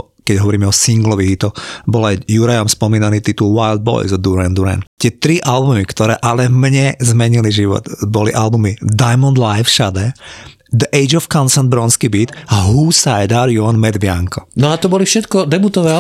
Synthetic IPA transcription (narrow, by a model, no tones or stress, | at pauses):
kɛɟɦɔʋɔɾiːmɛɔsiŋɡlɔʋiɦit̪ɔbɔlajjuɾajamspɔmiːnaniːt̪it̪ulʋaɪld̪̚bɔ̰jzɔd̪uɾand̪uɾɛ̰nt̪ɪɛt̪ɾiʔalbumikt̪ɔɾɛːʔalɛmɲɛzmɛɲiliʒiʋɔ̰d̪bɔlḭʔalbumid̪ajmɔnd̪lajfʃad̪ɛ | d̪əʔɛjd͡ʒɔfkɔnsɛnbɾɔnskibiːt̪aɦusajd̪aɾjuɦanmɛd̪bɪaŋkɔnɔat̪ɔbɔlifʃɛt̪kɔd̪ɛbut̪ɔʋɛː